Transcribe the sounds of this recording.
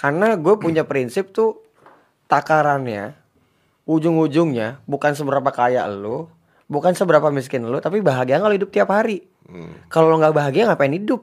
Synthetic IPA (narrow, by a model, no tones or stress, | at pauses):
karnaɡuapuɲapɾinsɪp̚t̪ʊ | t̪akaɾanja̰ | ud͡ʒʊŋud͡ʒʊŋɲabukans̬əbəɾapakaja̰ʔlu | bukansəbəɾapamis̬kɪnlut̪apibaɦaɡiaaŋkaloidʊp̚t̪iaphaɾi | kaloloŋɡaʔbaɦaɡiaaŋapaɪnidʊp̚